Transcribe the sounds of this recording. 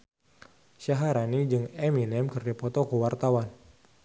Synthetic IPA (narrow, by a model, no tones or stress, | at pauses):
ʃaɦaɾanid͡ʒɨŋɛminɛmkɨrd͡ʒapɔt̪ɔkəwart̪awan